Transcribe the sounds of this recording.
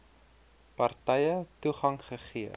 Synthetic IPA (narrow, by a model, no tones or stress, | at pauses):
pɐrtɛjətuχɐŋχəχiə